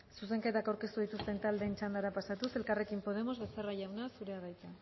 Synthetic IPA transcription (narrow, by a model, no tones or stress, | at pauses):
suse̞ŋke̞t̪akawɾke̞st̪uð̞it̪ust̪e̞nt̪ald̪e̞ːnt͡ʃand̪aɾapasat̪use̞lkare̞kimpo̞ð̞e̞mo̞zβe̞seraʝawnasuɾe̞arajt͡s̪a